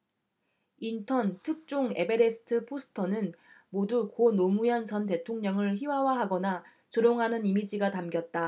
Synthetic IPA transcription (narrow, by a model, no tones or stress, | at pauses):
intʰʌntʰɯk̚t͡ɕ͈oŋe̞be̞ɾe̞sʰɯ̥tʰɯpʰosʰɯ̥tʰʌnɯnmodukonomujʌnt͡ɕʌnt̬e̞tʰoŋɲʌŋɯɭçiwawaɦaɡʌna | t͡ɕoɾjoŋɦanɯnimid͡ʑiɡatamɡjʌt̚t͈a